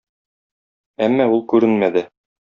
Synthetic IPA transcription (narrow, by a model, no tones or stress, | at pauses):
æmːæulˠkʉɾɘnmæd̪ɘ